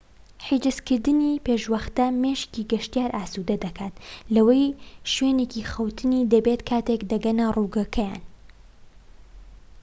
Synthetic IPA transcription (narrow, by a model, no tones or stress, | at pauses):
ħid͡ʒɨskɨɾd̪ɨnipeʃwɐxt̪ɐmeːʃciːɡɐʃt̪ijaːɾʔaːsud̪ɐd̪ɐkʰaːt̪lɐwɐjʃweːnekixɐwt̪ʰɨniːd̪ɐbeːt̪kʰaːt̪ekd̪ɐɡɐnɐruːɡɐkʰɐja̰ːn